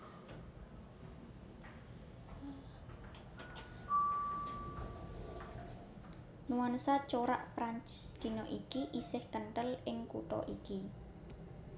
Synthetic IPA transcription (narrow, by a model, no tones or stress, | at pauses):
nuwansat͡ʃoɾa̰ʔpɾaɲt͡ʃɪ̥sd̪̥i̤nɔʔikiʔisɪhkənʈəlɪŋkuʈɔ̰ʔiki